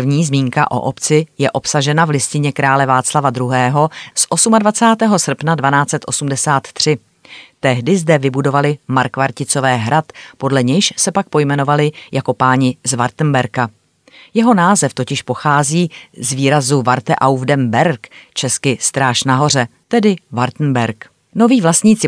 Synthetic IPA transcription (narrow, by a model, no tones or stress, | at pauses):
vɲiːzmiːŋka̰ʔo̞̰ʔopt͡sɪjɛʔo̞psaʒɛnavlɪscɪɲɛkɾaːlɛvaːt͡slavad̪ɾuɦɛːɦo̞sʔo̞sumadvat͡saːt̪ɛːɦo̞sr̩pnadvanaːt͡sɛt̪ʔo̞sumdɛsaːt̪ːr̝̥ɪ | t̪ɛɦdɪzdɛvɪbudo̞valɪmaɾkvaɾcɪt͡so̞vɛːɦɾat̪po̞dlɛɲɛjʃsɛpak̚po̞jmɛno̞valɪjako̞paːɲɪzvaɾt̪n̩bɛɾka | jɛɦo̞naːzɛft̪o̞cɪʃpo̞xaːziːzviːɾazuvaɾt̪ɛʔawvdɛmbɛɾkt͡ʃɛskɪst̪ɾaːʃnaɦo̞r̝ɛt̪ɛdɪvaɾt̪n̩bɛɾk | no̞viːvlast̪ɲiːt͡sɪ